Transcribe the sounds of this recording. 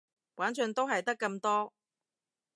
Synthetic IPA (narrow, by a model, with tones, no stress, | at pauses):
waː˨˥nt͡sœ˧nt̪o˥wɦɐ˨jt̪ɐ˥kːɐ˧mt̪ɔː˥